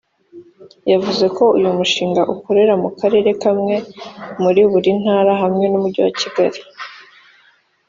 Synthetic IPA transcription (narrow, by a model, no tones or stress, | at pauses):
javuze̞kʰo̞ujumuʃiːŋɡaʔukoɾe̞ɾamukaɾe̞ːɾe̞kamŋe̞muɾiβuɾin̥haːɾaɦamŋe̞numuɾɟuwaciɡaɾi